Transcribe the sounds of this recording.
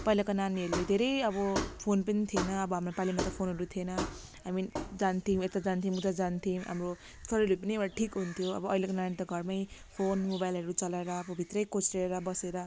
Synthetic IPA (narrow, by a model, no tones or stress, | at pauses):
pʌjlakonaniɦʌɾuled̪ʱeɾʌjʌbʌpʰonpʌnit̪ʰienʌːbʌɦamrapalimat̪ʌpʰonɦʌɾut̪ʰienʌ | ɦamid͡zant̪ʰĩet̪ad͡zant̪ʰimut̪ad͡zant̪ʰiɦa̰mro | sʌɾʌjlupʌnieaʈʰikɦunt̪ʰjoʌ̰bʌʌjlekonanit̪ʌɡʱʌrmʌjpʰonmobajlɦʌɾut͡sʌlaeɾʌːbʌbʱit̪rʌjkot͡sreɾʌbʌseɾʌ